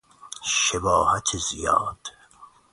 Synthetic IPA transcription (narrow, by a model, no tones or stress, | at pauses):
ʃebɒːhæt̪ʰezijɒ̰ːd̪̥